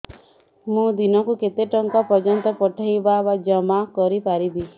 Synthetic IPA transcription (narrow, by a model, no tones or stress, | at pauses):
mũd̪inɔkuket̪eʈɔŋkapɔd͡ʒɔnt̪ɔpɔʈʰajbabad͡ʒɔmakɔɾipaɾib̪i